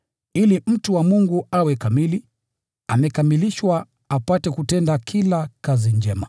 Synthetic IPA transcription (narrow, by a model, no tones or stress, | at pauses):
ilim̩tuwamuŋɡuawɛkamili | amɛkamiliʃwa | apatɛkutɛndakʰilakaziɲd͡ʒɛma